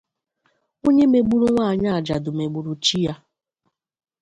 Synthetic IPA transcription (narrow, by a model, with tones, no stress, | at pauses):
o˦ɲe˦me˨ɡ͡bu˦ɾu˦ŋʷa˦a˨ɲa˦a˨d͡ʒa˨dʊ˨me˨ɡ͡bu˨ɾu˨t͡ʃi˦ja˦